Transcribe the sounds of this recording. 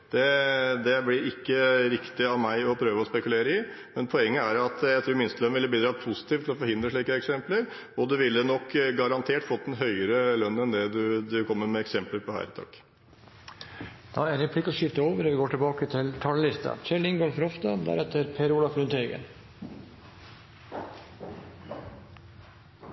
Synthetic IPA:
d̪̥ɛd̪ɛblɪɾɪkːəɾɪkt̪ɪɑʋmæɪɔpʰɾøːʋəɔspɛkʉleːɾəɪ | mɛnpʰɔɛŋːəæɾɑt̪jæɪt̪ʰɾuːɾmɪnst̪əlœnʋɪlːəbiːd̪ɾɑːpʰʊsɪ̥t̪ift̪ʰɪlɔfɔɾhɪnd̪ɾəʂɭiːkəɛksɛmpləɾ | ɔd̪ɛʋɪlːənɔkːɡɑɾɑnt̪ʰeːʈfɔt̪̚ːd̪ɛnɦœʏəɾəlœnːəɛnd̪ɛd̪ʉd̪ʉkʰɔmːəɾmɛɛksɛmpləɾpʰɔhæ̰ːɾɪt̪ʰɑ̰ːk | d̪̥ɑæɾɾɛpʰlɪkːɔʂɪft̪əoːʋəɾɔʋɪɡoːʈʰɪlbɑːkət̪ʰɪlt̪ʰɑllɪst̪ɑ̰t͡ʃɛɭɪŋɡɑlfɾɔft̪ɑd̪æ̰ɾɛt̪ːəɾpʰeːɾulɑfɾʉːnt̪eːɡə̰n

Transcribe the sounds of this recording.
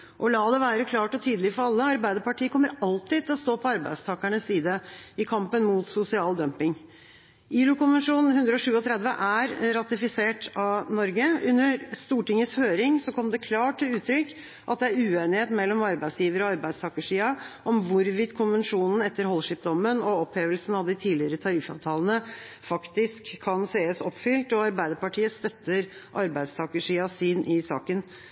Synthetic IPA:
ʔɔlɑːd̪ɛʋæːɾəkʰlɑːʈɔt̪ʰyːd̪lɪfɔɾɑlːəɑɾbæɪd̪əɾpɑʈiːəkʰɔmːəɾɑlt̪ɪd̪t̪ʰɪlɔst̪oːpʰɔɑɾbæ̰ɪd̪st̪ʰɑːkæɳəsːiːd̪əɪkʰɑmpənmuːt̪sʊsɪɑːld̪œmpɪŋ | ʔiːlʊkʊnʋənʂuːnn̩hʉnd̪ɾəɔʂʉːɔt̪ʰɾɛd̪ʋəʔæɾɾɑt̪ɪfɪseːʈɑʋnɔɾɡəʉnːəɾst̪uːʈɪŋːəshøːɾɪŋsɔkʰɔmːd̪ɛkʰlɑːʈʰːɪlʉːt̪ʰɾʏkː | ʔɑt̪̚d̪ɛæɾʉːeːnɪheːt̪mɛlːɔmɑɾbæɪsjiːʋəɾəɔɑɾbæɪst̪ʰɑːkəʂiːɑʔɔmʋʊɾʋɪt̪ːkʰʊnʋənʂuːnn̩ɛt̪ːəɾhɔlʂɪp̚d̪ɔmːənɔɔpheːʋəlsn̩ɑʋd̪ɪt̪ʰiːlɪəɾət̪ʰɑɾɪfɑ̰ːʋt̪ʰɑːlənə | fɑkt̪ɪskʰːɑnseːəsɔpfʏlt̪ɔɑɾbæɪd̪əɾpɑʈʰiːəst̪œt̪ːəɾ | ʔɑɾbæɪd̪st̪ʰɑkəʂiːɑsyːnʔɪsɑ̰ːkən

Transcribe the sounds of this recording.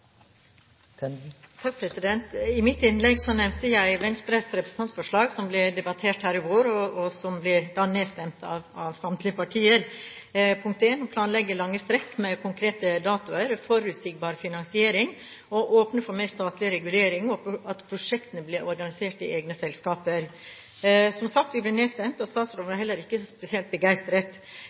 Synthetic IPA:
t̪ʰɑk̚pʰɾɛsɪd̪ɛnt̪ɪmɪt̪ɪnlɛɡsɔnɛʋnt̪əjæɪʋɛnst̪ɾɛsɾɛpɾəsn̩t̪ɑnt̪sfɔʂɭɑːɡsɔmblɛd̪ɛbɑt̪ʰeːʈhæːɾɪɡoːɾɔɔsɔmblɪd̪ɑnːeːst̪ɛmt̪ʰɑ̰ʋɑʋsɑmt̪ʰlɪəpʰɑʈʰiːəɾ | pʰʊŋk̚t̪eːnɔpʰlɑːnlɛɡːəlɑŋːəst̪ɾɛkːmɛkʰʊŋkʰɾeːt̪əd̪ɑːt̪ʊəɾfɔɾʉt̪sɪk̚bɑːɾfɪnɑnsɪeːɾɪŋ | ɔʔoːpnəfɔɾmɛst̪ɑːt̪lɪɾɛɡʉleːɾɪŋɔɑt̪pʰɾʊʂɛkt̪ənəblɪɾɔɾɡɑnɪseːʈɪ̰ʔeːɡnəsɛlskɑːpəɾ | sɔmsɑkt̪ʋɪblɪneːst̪ɛmt̪ɔst̪ɑːt̪sɾɔːʋnəhɛlːəɾɪkːəspɛsɪɛlt̪̚bəɡæɪst̪əɾət̪

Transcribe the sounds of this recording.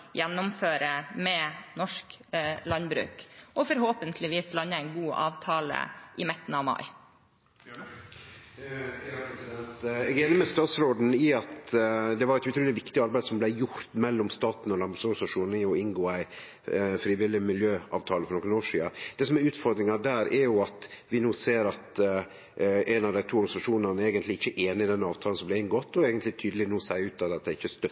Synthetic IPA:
jɛnːʊmføːɾəmɛnɔʂklɑnbɾʉ̰ːkʔɔfɔɾɦoːpənt̪ʰlɪʋiːslɑnːəæɪnɡuːʔɑ̰ːʋt̪ʰɑːlə̰ʔɪmɪt̪ːn̩ɑʋmɑ̰ɪ | ɛɑpɾɛsɪd̪ɛnt̪ɛɡeɪnɪmɛst̪ɑːt̪sɾoːd̪n̩ɪɑt̪d̪ɛʋɑɾɛt̪ʉt̪ʰɾʉːlɪʋɪkt̪ɪɑɾbæɪsɔmblæɪjʊɾt̪mɛlːɔmst̪ɑːt̪n̩ɔlɑmbɑsøːɡsɑʂuːnnɪɔɪŋɡoːæɪ | fɾiːʋɪlɪmɪljøːʔɑ̰ːʋt̪ʰɑːləfɔɾnɔkːənoːʂḭːɑd̪̥ɛsɔmɛɾʉːt̪fɔɾd̪ɾɪŋɑd̪æːɾɛɾjʊɑt̪ʋɪnuːseːɾɑt̪ | ʔænɑʋd̪æɪt̪ʰuːɔɾɡɑnɪsɑʂuːnɑnəeːɡənt̪lɪɪçːəʔeːnɪɪd̪ɛnːɑːʋt̪ʰɑl̩sɔmblæɪŋɡɔt̪ːɔeːɡənt̪lɪt̪ʰyːd̪əlɪnuːsæɪʉːt̪ːɑd̪ɑt̪̚d̪æɪçːəst̪œ

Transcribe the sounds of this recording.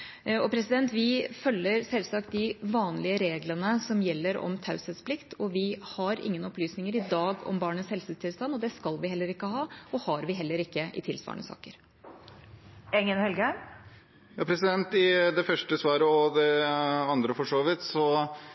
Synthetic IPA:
ɔpʰɾɛsɪd̪ɛnt̪ʋɪfœlːəɾsɛlsɑk̚t̪̚d̪ɪʋɑːnlɪəɾeːɡlənəsɔmjɛlːəɾɔ̰mt̪ʰɑʉsət̪spʰlɪkt̪ʰɔʋɪhɑɾɪ̰ŋːənɔplyːsnɪŋəɾɪd̪ɑːɡɔ̰mbɑːɳəshɛlsʉːt̪ʰɪlst̪ɑnːɔd̪ɛskɑlʋɪhɛlːəɾɪkːəɦɑːɔhɑɾʋɪɦɛlːəɾɪkːəʔɪ̰t̪ʰɪlsʋɑ̰ːəɳə̰sɑ̰ːkəɾ | ɛŋənhɛlɡəæ | jɑːpʰɾɛsɪd̪ɛnt̪ɪd̪ɛfœʂʈəsʋɑːɾəɔd̪ɛɑnd̪ɾəfɔʂoːʋɪt̪sɔ

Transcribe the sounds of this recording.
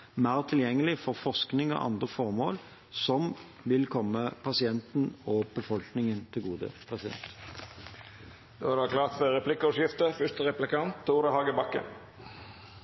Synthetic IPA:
mæːʁt̪ʰɪljɛŋːəlɪfɔʁfɔsknɪŋɔ̰ʔɑ̰nd̪ʁəfɔʁmoːl | sɔm | ʋɪlkʰɔmːəpʰɑsɪɛnt̪n̩ɔb̥əfɔlknɪŋənt̪ʰɪlɡuːd̪ə̰pʰʁɛsɪd̪ɛ̰nt̪ | d̪oːædɑkʰlɑːt̪fœɾɛpʰlɪkːəɔʂjɪft̪əfʏst̪əɾɛplɪkɑnt̪ʰːuːɾəhɑːɡəbɑkːə̰n

